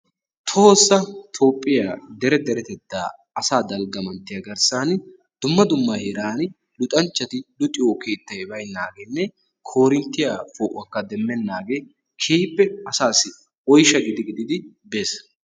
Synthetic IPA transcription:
t̪ʰoːsːɐt̪ʰo̞ːpʼːɪjad̪ɛɾɛd̪ɛɾɛt̪ɛt̪ːa̰ː | ɐsaːd̪ɐlɡɐmɐnt̪ːɪjɐɡɐɾsaːn | d̪̥ʊmːɐd̪ʊmːɐheːɾaːn | lʊt̪ʼɐnt͡ʃːɐt̪ɪd̪ʊt̪ʼɪjoːkʰeːt̪ːɐjɛbɐjnːaːɡɛnːɛ | kʰoːɾɪnt̪ːɪjafoːʔɐkːɐd̪ɛmːɛnːaːɡe | kʰeːpːɛɐsaːsɪ | ɔjʃɐɡɪd̪ɪɡɪd̪ɪd̪ɪ | beːs

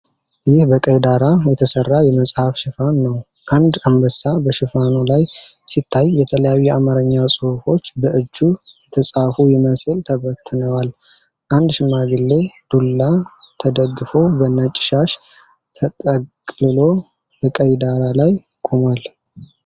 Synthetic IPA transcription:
jɪhbəkʼəjd̪aɾajɛt̪ʰəsərːajɛməsʼhafʃɪfanːəw | ʔand̪ambəsːabəʃɪfanulaj | sit̪ʰːajːɛt̪ʰələjawɛʔamaɾəɲːawsʼɨhufo̞t͡ʃːbəʔɨd͡ʒːujɛt̪ʰəsʼafujɪməsɨlt̪ʰəβət̪ʰːɨnəwal | ʔand̪ʃɪmaɡɨlːe̞d̪̥ulːat̪ʰəd̪əɡːɨfo̞bənət͡ʃʼɪ̥ʃaʃ | t̪ʰət̪ʼəkkʼlɨlo̞ | bəkʼəjd̪aɾalaj | kʼomal

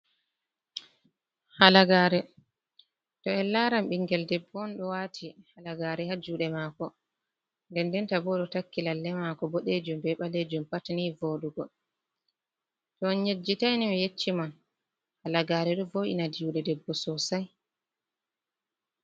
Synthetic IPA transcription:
halaɡaːɾɛ | tɔɛlːaɾamɓiŋɡɛldɛbːɔnɗɔwatʰihalaɡaːɾɛhad͡ʒuɗɛmaːkɔ | ndɛndɛntabɔɗɔtakːilalːɛmakɔbɔɗed͡ʒumbɛɓaled͡ʒumpatnivoːɗuɡɔ | tɔnɲed͡ʒːitajnimɛjet͡ʃːiman | halaɡaːɾɛɗɔvoʔḭnadiuɗɛdɛbːɔsɔsaj

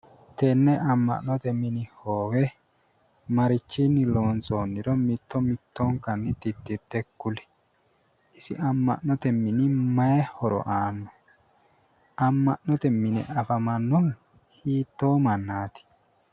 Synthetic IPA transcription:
t̪ɛnːɛʔɐmːɐ̰ʔnɔt̪ɛmɪnɪhoːwɛ | mɐɾɪt͡ʃːinːɪlo̞ːnt͡soːnːɪɾɔmɪt̪ːɔmɪt̪ːɔŋkɐnːɪt̪ɪd̪ːɪd̪ːɛkːʊlɛ̥ | ɪsɪ̰ɐmːɐ̰ʔnɔt̪ɛmːɪnɪmɐjɛhɔɾɔ̰ʔaːnːɔ | ɐmːɐʔnɔt̪ɛmːɪnɛ̰ɐfɐmɐnːɔn | hiːt̪ːo̞ːmɐnːaːt̪ɪ̥

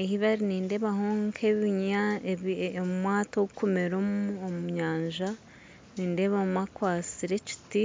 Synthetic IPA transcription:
ehiβaɾiniːnde̞βaɦoːŋkʰeβiɲa | mumwaːtoɡukumeɾomuomuɲaːɲʒa | niːnde̞βamakwaːsiɾe̞ci̥ti

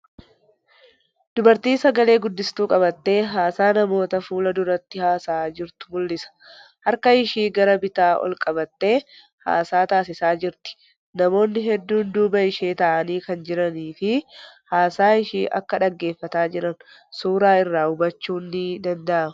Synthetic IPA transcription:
d̪̥ʊbɐɾt̪iːnsɐɡɐle̞ːɡʊd̪ːɪst̪uːkʼɐβɐt̪ːe̞ːɦaːsaːnɐmo̞ːt̪ɐfuːlɐd̪ʊɾɐt̪ːɪhaːsaːd͡ʒɪɾt̪ʊ̥mʊlːɪsɐ̥ | hɐɾkɐɪʃiːɡɐɾɐbɪt̪aːʔɔ̰lkʼɐbɐt̪ːe̞ː | ha̰ːsaːt̪aːsɪsaːd͡ʒɪɾt̪ɪ̥ | nɐmo̞ːnːɪɦɛd̪ːuːnd̪uːbɐɪʃe̞ːt̪ɐʔɐniːkɐnd͡ʒɪɾɐniːfɪhaːsaːɪʃiːʔɐ̰kːɐᶑɐɡːe̞ːfːɐt̪aːd͡ʒɪɾɐn | suːɾaːɪrːaːʊbɐt͡ʃːuːnːɪd̪ɐnd̪ɐʔɐmʊ

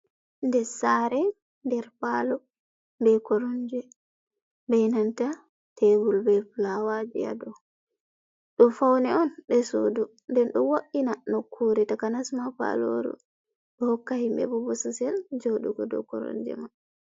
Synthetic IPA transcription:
ndɛsaɾɛ | ndɛɾpaːlɔ | bɛkɔɾɔɲd͡ʒɛ | bɛjnanta | tʰebulbɛflawad͡ʒḭa̰dɔ | ɗɔfawnɛɔnɗɛso̰ːdu | ndɛnɗɔwoʔinanɔkʰːoɾɛtakanasmafa̰lo̰ɾṵ | ɗɔhɔkːahimbɛ̰bɔbɔsusɛld͡ʒoɗuɡɔdɔ̰kɔ̰ɾɔ̰ɲd͡ʒɛ̰ma

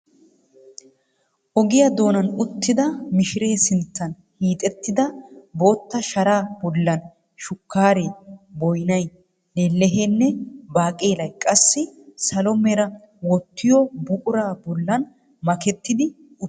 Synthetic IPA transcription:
ʔɔɡɪjɐd̪o̞ːnɐnʊt̪ːɪd̪ɐmɪʃɪɾe̞ːsɪnt̪ːɐn | hiːt̪ʼɛt̪ːɪd̪ɐbo̞ːt̪ːɐʃɐɾaːbɔlːɐn | ʃʊkːaːɾeːbɔjnɐj | lelːɛɦeːnːɛbaːkʼeːlɐjkʼɐsːɪsɐlɔmɛɾɐ | wɔt̪ːɪjɔbʊʔʼʊɾaːbɔlːɐn | mɐkɛt̪ːɪd̪ɪ | ʊ

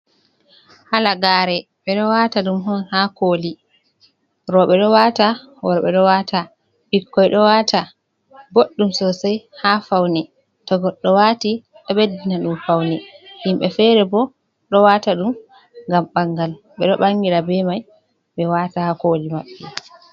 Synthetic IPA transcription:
halaɡaːɾɛ | ɓɛɗɔwataɗumɦɔnhakoli | ɾɔɓɛɗɔwata | wɔɾɓɛɗɔwata | bikːɔjɗɔwaːtʰa | ɡoɗːumsɔsajhafawnɛ | tɔɡɔɗːɔwati | ɗɔɓedːinaɗumfawnɛhimɓɛfɛɾɛbɔ | ɗɔwataɗum | ŋɡamɓaŋːɡal | ɓɛɗɔɓaŋɡiɾabɛmaj | ɓɛwatahakoːlimaɓːɛ

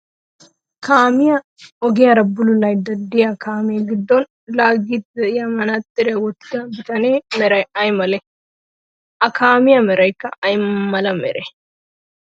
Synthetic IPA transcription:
kaːmɪjɐ | ɔɡɪjɐɾɐbːʊlʊlɐjd̪ɐd̪ːɪjɐkʰaːmeːɡɪd̪ːon | laːɡit̪ɐjɐmɐnɐt̪ʼːɪɾjɐwɔt̪ɡ̪ɐbɪt̪ɐneːmɛɾɐjɐjmɐle | ʔɐkʰaːmɪjɐmɛɾɐjkːɐɐjmmːɐlɐmɛ̰ɾe

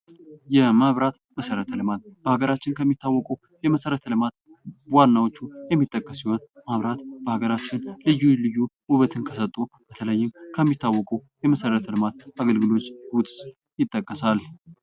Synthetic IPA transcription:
jɛmaβɾat̪məsəɾət̪ʰəlɨmat̪̚b̥əhaɡəɾat͡ʃːɪnkʰəmːit̪ʰːawːɔkʼuw | jɛməsəɾət̪ʰəlɨmat̪ | wanːawot͡ʃːujɛmːit̪ʼːəkʼːəsːiho̞nmaβɾat̪b̥əhaɡəɾat͡ʃːɪnlɨjːulɨjːuwʊβət̪ʰɨnkʰəsət̪ʼːub̥ət̪ʰələjːɪmkʰəmːit̪ʰːawːɔkʼuwjɛməsəɾət̪ʰəlɨmat̪aɡəlɡɨlo̞t͡ʃːwʊt̪ʼs | jɪt̪ʼːəkʼːəsal

